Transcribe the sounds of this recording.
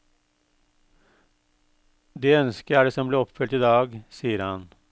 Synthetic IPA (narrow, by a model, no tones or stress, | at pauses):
d̪eːœnskəɾæːɖeːsɔmbleːɔpfʏlt̪iːd̪ɑːɡsiːəɾhɑn